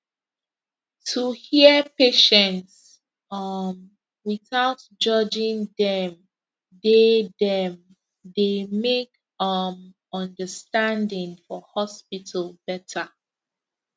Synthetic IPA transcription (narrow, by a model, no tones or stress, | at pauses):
tʰuhiəpeʃɛ̃nts | ʌm | wiθaʊt | d͡ʒʌd͡ʒĩŋdɛ̃m | dedɛ̃m | demek | ʌm | ʌ̃ndəstãndĩŋfɔhɔspitʰəlbɛtʰə